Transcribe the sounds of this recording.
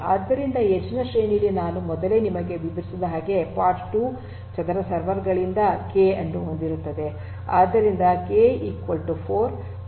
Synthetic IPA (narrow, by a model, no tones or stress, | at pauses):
aːd̪ːɐɾind̪ɐet͡ʃːinɐʃeːnilinaːnumɔd̪ɐle̞ːnimɐɡe̞ʋibʱɐɾisid̪ɐɦaːɡe̞paːɾʈʈuː | t͡ʃɐnd̪ɐɾɐsɐɾʋɐɾɡɐɭind̪ɐkeɐnːuɦond̪iɾut̪ːɐd̪e̞ | a̰ːd̪ːɐɾind̪ɐkeːiːkʋɐlʈupʰoːɾ